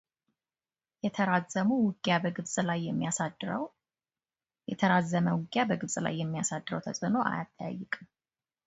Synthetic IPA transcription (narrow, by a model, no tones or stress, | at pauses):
jɛt̪ʰəɾazəmuwɨɡjabəɡɨβsʼlajːɛmːijasad̪ɾəw | jɛ̰t̪ʰəɾazːəməwʊɡʼjabəɡɨβsʼla̰jːɛmːijasad̪ːɨɾəwt̪ʰəsʼɨno̞ʔa̰jat̪ʼːaja̰jːɨkʼɨm